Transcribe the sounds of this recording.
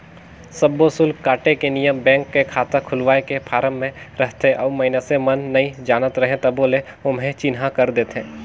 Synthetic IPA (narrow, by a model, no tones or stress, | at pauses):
sɐbːosʊlkaːʈekenijəmbɛ̃ːŋkːekʰaːt̪əkʰʊlʋaːekepʰaːɾəmːẽɾɐɦt̪eʔɔːmɐɪnəsemɐnːɐĩd͡ʒaːnət̪ɾɐɦẽt̪ɐboːle | ʊmɦẽt͡ʃɪnɦãkɐɾd̪eːt̪ẽː